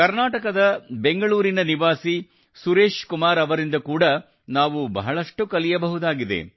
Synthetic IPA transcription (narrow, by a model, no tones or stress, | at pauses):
kɐɾnaːʈɐkɐd̪ɐbe̞ŋɡɐɭuːɾinɐniʋaːsi | suɾe̞ːʂkumaːɾɐʋɐɾind̪ɐkuːɽɐ | naːʋubɐ̰ɦɐɭɐʂʈukɐlijɐbɐɦud̪aːɡid̪ḛ